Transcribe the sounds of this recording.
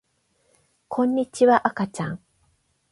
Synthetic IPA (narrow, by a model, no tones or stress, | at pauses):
kʰõɲːit͡ɕiβaʔakat͡ʃaŋ